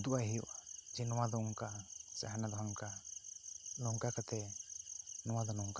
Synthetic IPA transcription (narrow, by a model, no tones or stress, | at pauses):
d̪uajɦɛjɔʔad͡ʒɛnɔwad̪ɔɔŋkasa̰ɦanad̪ɔɦaŋka | nɔŋkakat̪ʰɛ | nɔwad̪ɔnɔŋka